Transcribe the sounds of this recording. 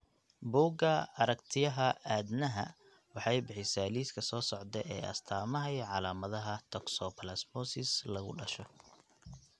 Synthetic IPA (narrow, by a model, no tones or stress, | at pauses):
buːɡɐɐɾɐkt̪ʰɪjɐɦɐaːd̪nɐɦɐ̰ | wɑħɑjbɪħɪsaːliːskʰɐsɔːsɔʕd̪ɛʔɛ̰ːʔɐ̰st̪ʰaːmɐɦɛjʕɑlaːmɐðɐɦɐt̪ʰɔksɔpʰɐlɐsmɔsɪslɐɣʊ̰ɖɐʃɔ